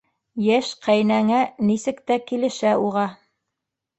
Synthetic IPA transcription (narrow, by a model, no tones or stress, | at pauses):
jæʃqʰæjnæŋænisɘ̆kt̪ækilɘ̆ʃæuʁɑ